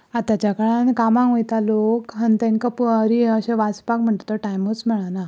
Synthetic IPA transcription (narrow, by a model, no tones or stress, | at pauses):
at̪at͡ɕakəɭãnkamãŋʋojt̪alokɦənt̪ẽnkapəɾiəɕẽʋat͡spakm̤əɳt̪ot̪əʈajmot͡sm̤əɭ̃ana